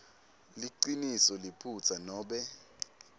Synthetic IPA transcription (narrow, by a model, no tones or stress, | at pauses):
liǀinisɔlipʰut͡sʰanɔːɓɛ